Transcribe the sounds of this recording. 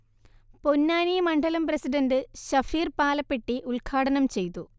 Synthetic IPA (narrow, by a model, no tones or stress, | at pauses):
ponːaːnijmɐɳɖɐlɐmprɐsidɐndɨɕɐfiːrpaːlɐpːeʈːiʔuɭkʰaːɽɐnɐmt͡ɕe̞jt̪ːu